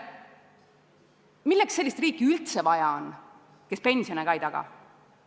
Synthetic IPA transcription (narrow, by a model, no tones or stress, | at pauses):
milːeksːelːist̪riːkːˑiylt̪sevɑjɑon | ke̞spe̞nsio̞nekɑjd̪ɑɡ̥ɑ̰